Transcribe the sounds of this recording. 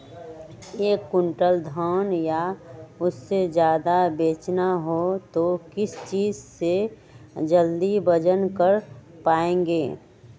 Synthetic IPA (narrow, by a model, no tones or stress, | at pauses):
eːkːʊɳʈəld̪ʱɔːnjaʊsːed͡ʒjaːd̪abeːt͡ʃnaɦot̪okɪst͡ʃiːd͡ʒse | d͡ʒəld̪ibəd͡ʒənkəɾ | paːẽːŋɡeː